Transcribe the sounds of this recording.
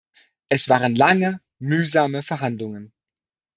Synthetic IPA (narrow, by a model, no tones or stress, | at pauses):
ʔɛsv̥aːʁənlaŋə | myːzaːməfɛɐɦandlʊŋən